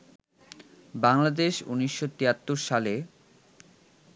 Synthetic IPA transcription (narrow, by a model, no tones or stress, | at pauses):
baŋlad̪eʃuniʃːot̪iat̪ːuɾʃale